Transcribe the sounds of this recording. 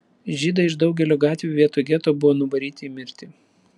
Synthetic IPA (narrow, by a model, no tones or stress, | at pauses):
ʒʲiːd̪ɐɪʃd̪ɒʊɡʲɛlʲoːɡɑːt̪ʲʋʲuːʋʲiɛt̪uːɡʲɛt̪oːbʊʋoːnʊbɐɾʲiːt̪ʲɪmʲɪɾʲt̪ʲɪ